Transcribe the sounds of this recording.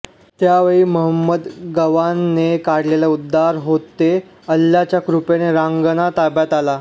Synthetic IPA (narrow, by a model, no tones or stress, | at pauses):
t̪jaʋəɭiːməɦəmːəd̪ɡəʋanːekaɽlelaud̪ʱːaɾɦot̪e | əlːjat͡ɕjakɾupeneɾaŋɡənat̪abjat̪ala